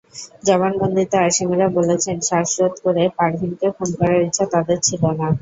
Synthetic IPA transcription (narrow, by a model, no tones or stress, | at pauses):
d͡ʑɔβanbond̪ʱit̪eaʃimiɾabolet͡ɕʰenʃaʃɾot̪koɾepaɾʈbʱinkefonkɔɾaɾitːɕʰat̪ad̪eɾt͡ɕʰilona